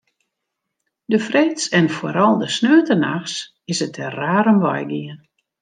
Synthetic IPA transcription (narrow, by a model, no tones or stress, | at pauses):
dəfrɪtsɛnfoəɾɔlˠdəsnøːtənaxs | ɪsətʰəraːɾəmʋɔ̰jɡiən